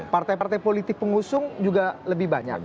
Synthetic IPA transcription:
part̪ajpart̪ajpolit̪ɪk̚pəŋusʊŋd͡ʒuɡaləbɪhbaɲa̰k̚

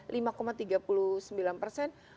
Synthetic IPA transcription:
limakomat̪iɡapulusəmbilanpərsɛn

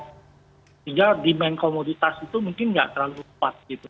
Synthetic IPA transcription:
siŋɡadimɛnkomodit̪asit̪umuŋkɪnŋɡa̰ʔt̪əɾlaluupat̪̚ɡit̪u

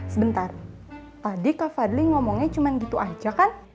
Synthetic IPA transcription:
səbənt̪ar | t̪adikafadliŋɔmɔŋɲat͡ʃumanɡit̪uʔad͡ʒakan

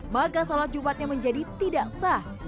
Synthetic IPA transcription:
makasolat̪̚d͡ʒumpat̪̚ɲaməɲd͡ʒadit̪idaʔsah

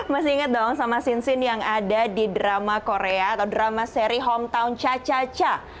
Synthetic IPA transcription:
masɪiŋət̪̚dɔŋsamasinsɪnjaŋadadidɾamakoɾeaat̪awdɾamaseɾiɦɔmt̪aunt͡ʃat͡ʃat͡ʃa

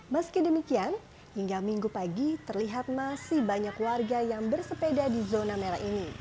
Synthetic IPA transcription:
məskidəmikian | hiŋɡamiŋɡupaɡit̪ərliɦat̪̚masihbaɲakwarɡajaŋbərsəpedadizonameɾaʔini

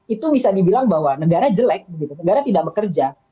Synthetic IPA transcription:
it̪ubisadibilaŋbaɦwanəɡaɾad͡ʒəlɛk̚bəɡit̪unəɡaɾat̪idaʔ̚bəkərd͡ʒa

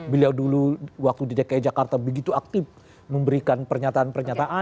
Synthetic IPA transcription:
bəliawduluwak̚t̪udidakajd͡ʒakart̪abəɡit̪uak̚t̪ɪf | məmbəɾikanpərɲat̪aːnpərɲat̪aʔa

